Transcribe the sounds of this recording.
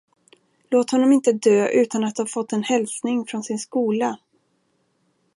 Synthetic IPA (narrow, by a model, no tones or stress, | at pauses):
loːt̪hɔnːɔmɪnt̪əd̪øːʔʉ̟ːt̪anat̪̚haɾfɔt̪ːɛnhɛlsnɪŋfɾɔnsɪnskuːla